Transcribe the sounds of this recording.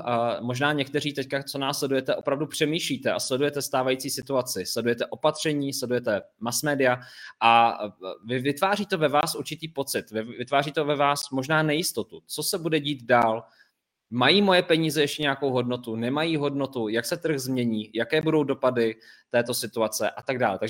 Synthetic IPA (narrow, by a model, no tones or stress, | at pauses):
mo̞ʒnaːɲɛk̚t̪ɛriːt̪ɛckat͡sonaːslɛdujɛt̪ɛʔo̞pɾavdupr̝̥ɛmiːʃliːt̪ɛʔa̰slɛdujɛt̪ɛst̪aːvajiːt͡siːsɪt̪uat͡sɪslɛdujɛt̪ɛʔo̞pat̪r̝̥ɛɲiːslɛdujɛt̪ɛmasmɛːdɪaʔa | vɪvɪt̪vaːriːt̪o̞vɛvaːsʔuɾt͡ʃɪt̪iːpo̞t͡sɪt̪vɪvɪt̪vaːriːt̪o̞vɛvaːsmo̞ʒnaːnɛjɪst̪o̞t̪ut͡so̞sɛbudɛɟiːt̪daːl | majiːmo̞jɛpɛɲiːzɛjɛʃcɛɲɛakowɦo̞dno̞t̪unɛmajiːɦo̞dno̞t̪ujaksɛt̪r̩ɣzmɲɛɲiːjakɛːbudo̞wdo̞padɪt̪ɛːt̪o̞sɪt̪uat͡sɛʔat̪aɡ̚da̰ːlɛt̪aɡʒɛ